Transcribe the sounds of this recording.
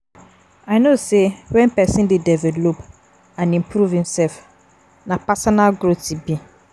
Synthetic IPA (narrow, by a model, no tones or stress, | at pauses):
aɪnosewɛ̃npɛsĩndedɛvɛlop | ãnĩmpʰɾuvhĩmsɛlf | nãpasɔnalɡɾotibi